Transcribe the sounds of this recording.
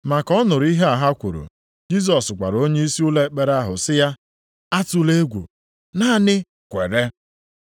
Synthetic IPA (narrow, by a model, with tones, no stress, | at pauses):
ma˨kɔ˦nʊ˨ɾi˦ɦe˦a˨ɦa˦kʷu˨ɾo̰˨ | d͡ʒi˦s̬ɔ˨skʷa̰˨ɾo˦ɲe˦i˦si˦u˦le˦k͡pe˦ɾa˦ɦʊ˨sɪ˦ja˦ | a˦tʊ˦le˦ɡʷṵ˨ | naː˦˨nɪ˦ | kʷḛ˨ɾe˦